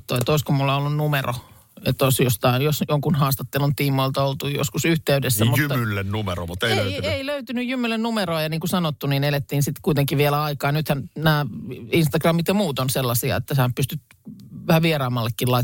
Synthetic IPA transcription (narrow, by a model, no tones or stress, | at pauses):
t̪ːoet̪oˑiskomulːɑolːunnumero̰ | et̪ːoisjost̪ɑinjosjoŋkunhɑːst̪ɑt̪ːelunt̪iːmːoilt̪ɑolt̪ujo̰skusyht̪eydesːæmujyːmylːennumeɾo̰mut̪ːeiløyieiløyt̪ynyjjymːylːennumeroɑjɑniːŋkusɑnot̪ːuninelet̪ːiːnsit̪kuit̪eŋkiʋʋielæɑikɑːnyt̪hænnæːinst̪ɑɡrɑmːit̪jɑmuːt̪onselːɑsiɑ̰ḛt̪ːæsehæpyst̪yt̪ | ʋæhæʋierɑːmɑlːekːilɑi